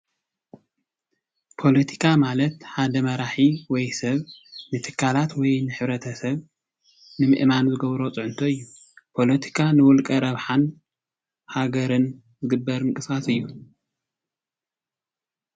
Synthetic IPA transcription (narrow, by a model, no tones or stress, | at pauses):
pʰo̞lɐt̪ʰi̥kʰamalɐt̪ħad̪ɐmɐɾaħiwɔjsɐβnɨt̪ʰɨ̥kʰːalat̪wɔjnɨħɨβɾɐt̪ʰɐsɐβ | nɨmɨ̰ʔmanzɨɡɐβɾo̞t͡sʼɨʕʊnt̪ʰoɨjːu | pʰo̞lɐt̪ʰi̥kʰanɨwɔlkʼɐɾɐβħan | haɡɐɾɨn | zɨɡɨbːɐɾɨŋkʼɨsasɨjːu